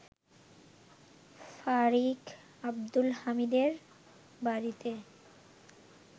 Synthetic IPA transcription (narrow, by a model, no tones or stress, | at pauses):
faɾik | abd̪ulhamid̪eɾ | baɾit̪e